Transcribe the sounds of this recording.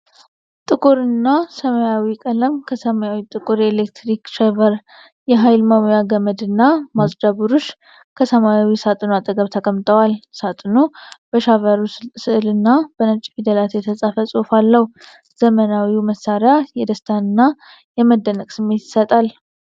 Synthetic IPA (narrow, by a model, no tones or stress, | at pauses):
t̪ʼɨkʼuɾɨnːasəməjawikʼələmkʰəsəmajawit̪ʼɨkʼuɾelek̚t̪ɾikʃɛvəɾ | jɛɦajlmamojaɡəməd̪ɨnːamasʼd͡ʒaɡuɾoʃ | kʰəsəmajawisat̪ʼɨnoat̪ʼəɡəβt̪ʰəkʼəmːt̪ʼəwalsat̪ʼɨnob̥əʃavəɾusɨʔlɨnːabənət͡ʃʼːfid̪əlat̪jɛt̪ʰəsʼafəsʼofalːəh | z̥əmənawiwməsːaɾjajɛd̪əst̪ʰanɨnːa | jɛməd̪ːənəkʼsɨmːe̞t̪ɪ̥sət̪ʼal